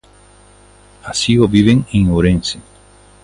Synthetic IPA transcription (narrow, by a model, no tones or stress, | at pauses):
asioβiβeŋiŋoɾẽnse